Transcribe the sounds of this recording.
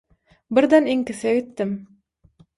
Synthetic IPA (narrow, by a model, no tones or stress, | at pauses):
biɾd̪eniŋkiθeɡit̪ːim